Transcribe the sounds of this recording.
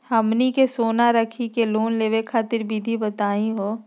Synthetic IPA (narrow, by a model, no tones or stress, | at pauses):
həmnikesoːnaɾəkʰikeloːnleːwekʰaːt̪ɪɾbid̪ʱibət̪aːĩɦoː